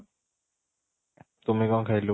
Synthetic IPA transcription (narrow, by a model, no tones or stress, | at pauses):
t̪omajkɔŋkʰalu